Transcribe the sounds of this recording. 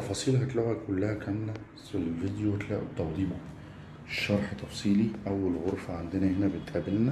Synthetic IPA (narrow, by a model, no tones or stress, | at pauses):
t̪ɑfɑːsˤiːlɦæt̪loɣækʊlːæhækæmlæ | selːved̪iwet̪læːʔʊt̪ːɑwd̪ˤiːmʊ | ʃːɑɾˤħt̪ːɑfsˤiːliʔæwːælɣoɾˤfæʕand̪ɪnæhɪnæbɪt̪ʔæbɪlnæ